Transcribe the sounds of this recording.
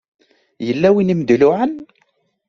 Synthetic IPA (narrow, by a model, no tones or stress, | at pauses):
jəlːæwinimd̪lʊʕən